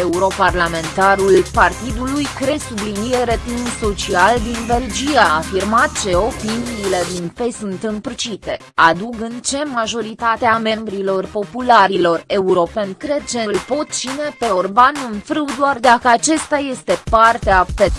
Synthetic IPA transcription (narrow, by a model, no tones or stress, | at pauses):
e̞uɾo̞parlame̞nt̪aɾulpart̪id̪ulujkɾe̞sublinieɾet̪imso̞t͡ʃiald̪inbe̞ld͡ʒiaːfirmat̪̚t͡ʃe̞o̞piniːle̞d̪inpe̞sunt̪ɨmprt͡ʃit̪e̞ | ad̪uɡɨnt͡ʃe̞maʒo̞ɾit̪at̪eame̞mbɾilo̞rpo̞pulaɾilo̞re̞uɾo̞pe̞nʲkɾe̞d̪̚t͡ʃe̞lpo̞t̪̚t͡ʃine̞pe̞orbanɨnfɾɨwd̪oard̪akəat͡ʃest̪aje̞st̪e̞part̪eape